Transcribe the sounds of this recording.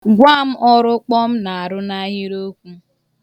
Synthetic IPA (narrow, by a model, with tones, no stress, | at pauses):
ɡʷa˦˨m̩˦ʔɔ˦ɾʊ˦k͡pɔ˦m̩˦na˨a˨ɾʊ˦na˦ɦi˦ɾo˦kʷu˦